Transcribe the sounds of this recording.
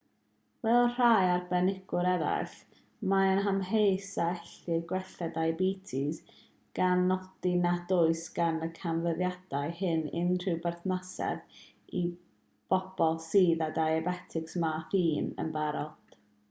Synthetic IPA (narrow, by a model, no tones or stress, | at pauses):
vɛlˠɔr̥ajarbɛnɪɡ̥ʊɾɛɾa̰ɬ | maənɦamɦejsaɛɬɨrɡwɛɬɛdajbiːtʰiz | ɡ̥anːɔd̥inadʊɨsɡ̥anəkʰanvəðjad̥ajhɪnɪ̰nr̥ɪwbɛrθnasɛ̰ð | i | b̥ɔb̥ɔlˠsiːðadajɛbɛtʰɪksmafiːnə̰nbaɾɔd̥